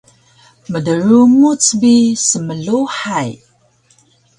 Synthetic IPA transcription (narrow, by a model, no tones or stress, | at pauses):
mədəɾumut͡sbisəməɮuħaj